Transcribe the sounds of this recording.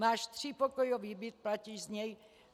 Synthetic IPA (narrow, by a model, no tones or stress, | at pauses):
maːʃt̪ripɔkɔjɔʋiːbit̪̚placiːʒzɲɛj